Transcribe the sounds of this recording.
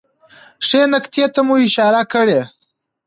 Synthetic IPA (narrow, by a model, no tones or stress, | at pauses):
ʂenakt̪jet̪amuɪʃɑɾakəɽe